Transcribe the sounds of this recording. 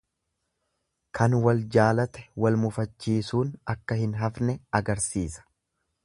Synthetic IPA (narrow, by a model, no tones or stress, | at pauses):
kʰɐnwɐld͡ʒaːlɐt̪ɛ̥wɐlmʊfɐt͡ʃːiːsuːnɐkːɐhɪnɦɐfnɛɐɡɐɾsiːsɐ̥